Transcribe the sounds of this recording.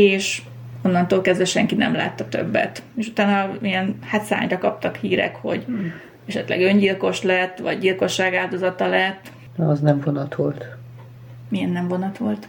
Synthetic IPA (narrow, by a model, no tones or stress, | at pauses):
eːʃ | o̞nːɒnt̪oːlkɛzdʋɛʃɛŋkinɛ̰mla̰ːt̪ːɒt̪ø̞̰bːɛ̰t̪eːʃut̪aːnɒijɛnhat̪sa̰ːɲrɒkɒp̚t̪ɒkhiːɾɛ̰kho̞̰ɟ | ɛʃɛt̪lɛ̰ɡø̞ɲɟilko̞ʃlɛt̪ːʋɒ̰ɟɟilko̞ʃːaːɡaːld̪o̞zɒt̪ɒlɛt̪ː | ɒznɛɱvonɒt̪ʋolt̪ | mijɛnːɛɱvo̞nɒt̪ʋo̞lt̪